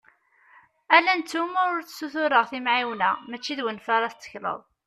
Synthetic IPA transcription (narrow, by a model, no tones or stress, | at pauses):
ælænt͡s̪ːumʊɾt͡sːsuθʊɾəʁθimʕiwnæ̰mæt͡ʃːiðwənfaɾˤɑst͡sːə̥çlə̰ðˤ